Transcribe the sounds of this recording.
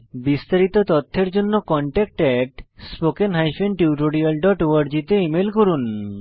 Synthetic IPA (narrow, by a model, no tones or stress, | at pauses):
bist̪aɾit̪ot̪ot̪ʰːeɾd͡ʑonːokɔɳʈɛk̚ʈɛʈspokenɦajspenʈiwʈoɖialɖɔʈoaɾd͡ʑit̪eimelkoɾun